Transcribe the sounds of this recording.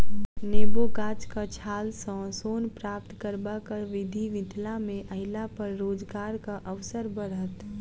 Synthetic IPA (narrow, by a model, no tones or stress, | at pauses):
neːbokaːt͡ʃkat͡ʃʰaːlsɔ̃soːnpɾaːp̚t̪kəɾbakəɾʋɪd̪ʱiʋɪ̃t̪lamẽʔəɦɪlapəɾːoːd͡ʒɡaːɾkaʔəʋsəɾbəɾɦət̪